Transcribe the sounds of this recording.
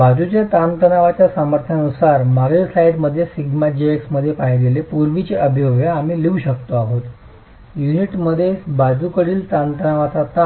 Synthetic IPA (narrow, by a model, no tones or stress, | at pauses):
bad͡zut͡ɕjat̪ant̪ənaʋat͡ɕjasəməɾt̪ʰəanusaɾmaɾesaiɽməd̪ʱːjesiɡmad͡ʑieksməd̪ʱːjepajɡelepuɾʋit͡ɕeʔəbʱijoʋjaːm̤iːleuɕəkt̪oaɦot̪ | juniʈməd̪ʱːjebad͡zukəɽiːlt̪ant̪ənaʋat͡sat̪a